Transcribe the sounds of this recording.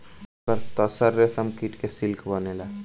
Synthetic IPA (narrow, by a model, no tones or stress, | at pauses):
kəɾt̪əsəɾːesəmkiʈ̪kesɪlkʰbənelaː